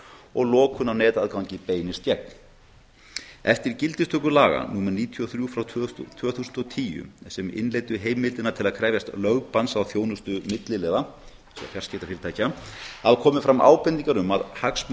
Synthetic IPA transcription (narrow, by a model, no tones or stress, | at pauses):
ɔɣlɔːkʰʏnawnɛːt̪aðkawɲcɪpeːjnɪst̪cɛk̚n | ɛft̪ɪɾ̥cɪlt̪ɪst̪œːkʏlaːɣa̰nuːmaɾniːt̪ʰiɔθɾjufɾawʰt̪ʰœːθuːsnt̪ɔt̪ʰiːjʏ̰sɛmɪ̰nleːjt̪ʏɦeːjmːɪlt̪ɪnat̪ʰɪlaðkʰɾɛːvjast̪lœɣpansawθjoːwnʏst̪ʏmɪt̪lɪlɛːða | sɛ̰a̰fjar̥scɛːt̪afɪːɾɪt̪ʰajcaaðkʰɔːmɪfɾamʔa̰ːwpɛnt̪iŋkaɾʏma̰ðhaks